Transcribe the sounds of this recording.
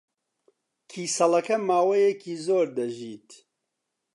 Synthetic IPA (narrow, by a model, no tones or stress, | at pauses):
kʰiːsɐlɐkɐmaːwɐjekiːzoːɾd̪ɐʒiːt̪